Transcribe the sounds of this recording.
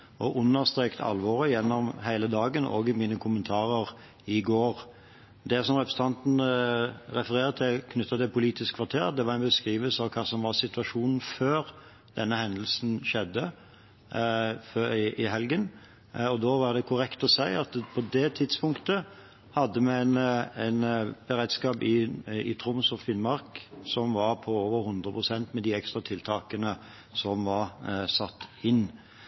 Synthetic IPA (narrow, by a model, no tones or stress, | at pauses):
ʔɔʔʉnːəɾst̪ʁeːkt̪ʰɑ̰lʋɔɾəjɛnːɔmɦæɪləd̪ɑːɡəno̰ːɡɪmiːnəkʰʊmənt̪ʰɑːɾəʁ | ɪɡoːɾ | d̪ɛsɔmʁɛpɾəsət̪ʰɑnt̪n̩ | ɾɛfəɾeːʁt̪ʰɪlkʰnʏt̪ːɑt̪ɪlpʰʊliːt̪ɪskʰʋɑʁt̪ʰeːʁd̪ɛʋɑɾæɪnbəskɾiːʋəlsəɑʋkʰɑːsɔmʋɑʁsɪt̪ʉɑʂuːnn̩føːɾ | d̪̥ɛnːəhɛnd̪əl̩sn̩ʃɛd̪ːə | fɪʔɪɦɛlɡən | ɔd̪oːʋɑd̪ɛkʰʊɾɛkt̪ɔsæɪɑt̪pʰɔd̪ɛt̪ʰɪd̪spʊŋkt̪ə | hɑd̪ːəmɛæɪnæɪnb̥əɾeːd̪skɑːpɪɪt̪ʰɾʊmsɔfɪnmɑɾksɔmʋɑɾpʰɔoːʋəɾhʊnd̪ɾəpʰʁʊsɛnt̪mɛd̪iɛkst̪ɾɑt̪ʰɪlt̪ʰɑːkənə | sɔmʋɑɾsɑt̪ːɪnː